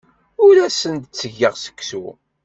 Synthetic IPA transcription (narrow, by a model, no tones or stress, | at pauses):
ʊɾæsənt̪t͡sːəʝːəʁsə̥kːsṵ